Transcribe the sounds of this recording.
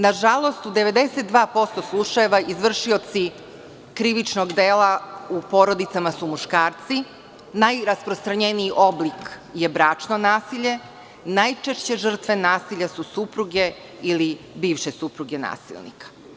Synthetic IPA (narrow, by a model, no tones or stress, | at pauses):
naʒalˠo̞st̪ud̪eʋe̞d̪eset̪̚d̪ʋaːpo̞st̪o̞slˠuʃajeʋaʔizʋr̩ʂio̞t̪si | kɾiʋit͡ʃnoɡd̪eːlaupo̞ɾo̞d̪it̪samasumuʃkaːɾt̪si | najɾaspɾost̪ɾaɲeniiʔoblikje̞bɾaːt͡ʂnonaːsiʎe̞ | najt͡ʃeʂt͡ɕe̞ʒr̩t̪ʋe̞naːsiʎasusupɾuɡe̞ | ili | biːʋʃesupɾuɡena̰ːsḭlˠnḭkḁ